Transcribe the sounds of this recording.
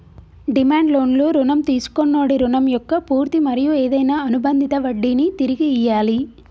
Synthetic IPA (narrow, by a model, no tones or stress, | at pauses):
ɖimaːɳɖlo̞ːnloːɾuɳɐmt̪iːsu̥konːoːɽiɾuɳɐmjɔkːɐpuːɾt̪imɐɾijueːd̪ɐjnaːɐnubɐnd̪ʱit̪ɐʋɐɖːinit̪iɾiɡiːjːaːli